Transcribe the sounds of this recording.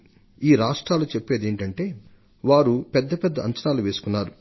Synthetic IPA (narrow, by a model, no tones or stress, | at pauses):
iːɾaːʂʈɾaːlut͡ʃepːeːd̪eːɳʈɐɳʈe̞ː | ʋaːɾupɛd̪ːɐpɛd̪ːɐɐɲt͡ʃɐnaːluʋe̞ːsu̥kunːaːɾu